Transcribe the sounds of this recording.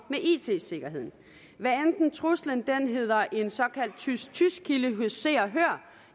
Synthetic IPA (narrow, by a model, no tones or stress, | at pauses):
meʔḭːt͡sʰe̝̰ːse̝ɡ̥ɐɦe̝ð̰ˠn̩ | ʋæɐend̥n̩t͡sʰʁuslənd̥enɦe̝ð̞̰ˠɐʔe̝nsɒ̽kʰæl̰d̥ʰyst͡sʰysɡ̥̚kʰiləɦøse̝̰ːɐɦøɐ̰